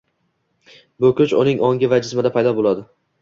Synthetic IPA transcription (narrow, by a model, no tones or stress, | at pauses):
bɵkʰʲʊt͡ʃʊnɪŋʔɒŋʲɪvad͡ʒɪsmad̪apʰajd̪ɒbolˠad̪ɪ